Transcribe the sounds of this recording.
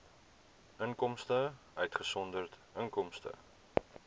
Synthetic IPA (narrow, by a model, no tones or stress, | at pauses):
əŋkɔmstəʔœɥtχəsɔndərtəŋkɔmstə̰